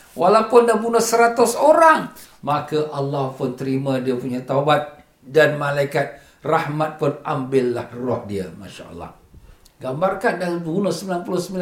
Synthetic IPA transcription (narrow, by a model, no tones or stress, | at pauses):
walawpʊndabunəhsəɾat̪ʊsoɾaŋ | makaʔalːahpʊnt̪əɾimãdiapuɲat̪aubat̪̚ | danmalaikat̪̚ | rahmat̪̚pʊnʔambɪlːahrɔhdiamaʃa̰ʔɑ̰lːɑ̰h | ɡambarkandalbunəsəmbilanpulʊsəmbil